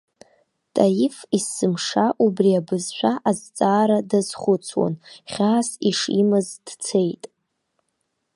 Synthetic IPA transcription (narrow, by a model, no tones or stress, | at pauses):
tʼajifisɨmʂaʔubriabɨzʃʷᶣaʔazt͡sʼaːɾadaz̥χʷʊt͡sʰwa̰nχʲaːsiʂḭmɨzd̥t͡sʰe̞jtʼ